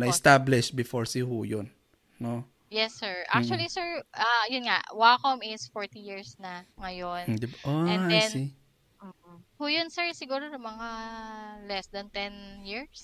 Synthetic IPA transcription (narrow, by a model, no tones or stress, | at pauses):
nɐʔɪst̪ablɪʃbɪfoɹsɪhuːjonː | o | jɛsːɛɹʔa̰k̚t͡ʃuɐlisɛɹʔɐjʊnŋa̰wakomʔɪsfoɹt̪ijiɹsnɐŋɐjond̪ɪbʔoɛni | m̩ːhuːjonsɛɹsɪɡuːɾonʊmɐŋa | lɛsd̪ɐnt̪ɛnjiɹs